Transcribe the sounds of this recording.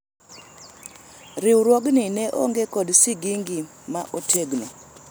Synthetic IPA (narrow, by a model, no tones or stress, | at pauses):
ɾɪwɾwoɡnɪnɛʔo̰ŋɡekɔdsɪɡiŋɡi | maʔotʰeɡno